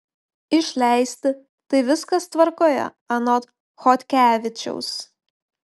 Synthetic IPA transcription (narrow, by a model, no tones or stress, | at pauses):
ɪʃʲlʲæˑɪsʲt̪ʲɪ | t̪ɐɪʋʲɪskɐst̪ʋɐɾkoːjɛ̰ | ɐnɔt̪ | xɔt̪ʲkʲæːʋʲɪt͡ʃʲɛ̰ʊs